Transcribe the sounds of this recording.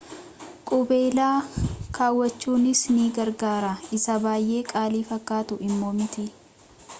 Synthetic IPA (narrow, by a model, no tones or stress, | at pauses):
kʼʊbe̞ːlaːkʰaːwːɐt͡ʃːuːnɪsniːɡɐɾɡaːɾaɪsɐbaːjʔe̞ːkʼaːliːfɐkːaːt̪ʊɪmːo̞ːmɪt̪ɪ